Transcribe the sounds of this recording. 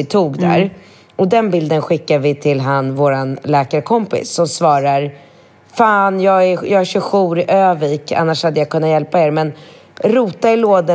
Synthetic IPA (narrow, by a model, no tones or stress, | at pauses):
ɪt̪ʰuːɡd̪æ̰ɾ | ɔd̪ɛnbɪld̪ənɧɪkːavɪt̪ʰɪlɦanvoːɾanlɛːkaɾəkʰɔmpɪ̰sːɔmsvɑːɾaɾ | faːnjɑːɡɛjɑːɡæɕɵɧuːɾɪʔøːviːka̰nːaʂhad̪ːəjakʰɵnːajɛlpaeːɾmɛn | ɾuːt̪aɪloːd̪ə